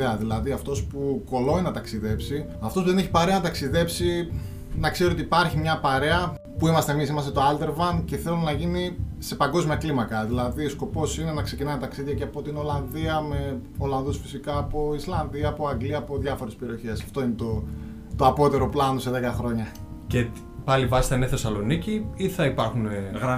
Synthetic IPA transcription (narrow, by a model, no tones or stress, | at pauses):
eɐðilɐðiɐft̪o̞spuko̞lo̞inɐt̪ɐksiðe̞psi | ɐft̪o̞spuðene̞çi̥pɐɾeɐnɐt̪ɐksiðe̞psi | nɐkseɾiot̪ipɐɾçimɲɐpɐɾe̞ɐ | puimɐst̪emis̬imɐst̪et̪o̞ɐld̪e̞ɾvɐnce̞θe̞lunɐʝinise̞pɐŋɡo̞zmiɐklimɐkɐðilɐðisko̞po̞sine̞nɐkse̞cinɐnt̪ɐksiðʝɐceɐpo̞t̪ino̞lɐnðiɐme̞o̞lɐnðusfi̥sikaːpo̞islɐnðiɐːpo̞ɐŋɡliɐːpo̞ðʝɐfo̞ɾespe̞ɾio̞çe̞sɐft̪o̞inet̪o̞ | t̪o̞ɐpo̞t̪e̞ɾo̞plɐno̞se̞ðekɐxɾo̞ɲɐce | pɐlivɐsi̥t̪ɐineθe̞sɐlo̞niciiθɐipɐɾxuneɣɾ